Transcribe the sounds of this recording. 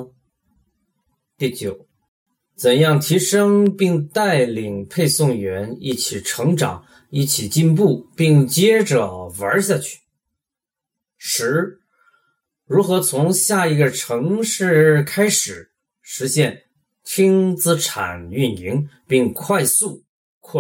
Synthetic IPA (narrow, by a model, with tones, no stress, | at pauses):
t̪i˥˩t͡ɕjo˨˩˦ʊ | t͡sə˨˩njɑ˥˩ŋt̪ʰi˧˥ʂɤ˥ŋpi˥˧ŋt̪a˥˩ɪli˨˩ŋpʰe˥˧ɪsʊ˥˩ŋɥɛ˧˥ni˥˩t͡ɕʰi˨˩ʈ͡ʂʰɤ˧˥ŋʈ͡ʂɑ̰˨˩˦ŋ | i˥˩t͡ɕʰi˨˩t͡ɕi˥˧np̬u˥˩pi˥˧ŋt͡ɕjɛ˥ʈ͡ʂɤ˨˩wə˞˧˥ɕ̬ja˥˧t͡ɕʰy̥˥˩ | ʂɻ̩˧˥ | ɻu˧˥xɤ˧˥t͡sʰʊ˧˥ŋɕja˥˩i˧˥ɡə˥˧ʈ͡ʂʰɤ˧˥ŋʂɻ̩˥˩kʰa˥ɪʂɻ̩˨˩˦ | ʂɻ̩˧˥ɕjɛ˥˩n | t̪ʰi˥ŋt͡sɹ̩˥ʈ͡ʂʰa̰˨˩ny˥˩ni˧˥ŋpi˥˧ŋkʰwa˥˧ɪsu˥˩˧ | kʰwɔ˥˩